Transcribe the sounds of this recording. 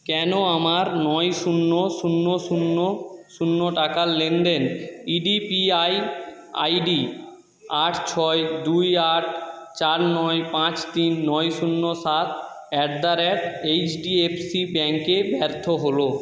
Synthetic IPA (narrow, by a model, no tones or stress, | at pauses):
kɛnoamaɾnɔjʃunːoʃunːoʃunːoʃunːoʈakalenɖ̪eniɖipiaj | a̰jɖi | aʈʰt͡ɕʰɔed̪ujaʈ̚ʰt͡ɕaɾnɔjpãt͡ɕt̪inːɔjʃunːosat̪ʰ | ɛʈ̚d̪aɾɛʈejt͡ɕɖiepsibɛŋkebɛɾt̪ʰoɦolo